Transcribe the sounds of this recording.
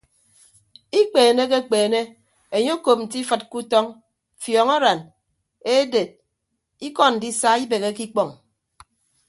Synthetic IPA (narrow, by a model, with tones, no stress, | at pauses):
i˦k͡peː˨ne˦k̬e˦k͡peː˨ne˦ | e˨ɲo˦ko˨p̚n̩˨t̬i˦fɨ˨t̚ku˦tɔ˦ŋ | fjɔ˨ŋɔ˦ɾa˨n | e˦de˨t̚ | i˦kɔ˦n̩˨di˦sa˦i˦be˨ɣe˦ki˦k͡pɔ˨ŋ